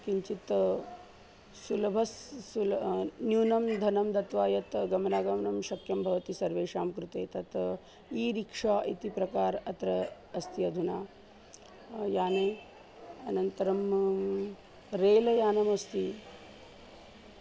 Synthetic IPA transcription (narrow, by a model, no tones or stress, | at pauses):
kiɲt͡ʃit̪ | sulɐbʱɐsːulnjuːnɐmd̪ʱɐnɐmd̪ɐt̪ʋaːjɐt̪ɡɐmnaːɡɐmɐnɐmʃɐkjɐmbʱɐʋɐt̪isɐɾʋeːʂaːmkɾut̪ḛːt̪ɐt̪ | iːɾikʂaːʔit̪ipɾɐkaːɾɐt̪ɾɐ | ɐst̪iɐd̪ʱunaː | jaːneː | ɐnɐnt̪ɐɾɐm | ɾeːlɐjaːnɐmɐst̪i